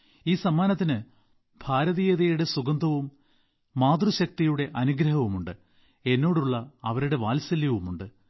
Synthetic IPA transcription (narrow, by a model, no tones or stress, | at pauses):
iːsɐmːaːnɐt̪ːinɨ | bʱaːɾɐðiːjɐðɐjuɽe̞suɡɐnd̪ʱɐʋumː | aːd̪ruɕɐk̚t̪ijuɽe̞ʔɐnuɡɾɐɦɐʋumuɳɖɨ | e̞nːo̞ːɽuɭːɐɐʋɐɾuɽe̞ʋaːlsɐljɐʋumuɳɖɨ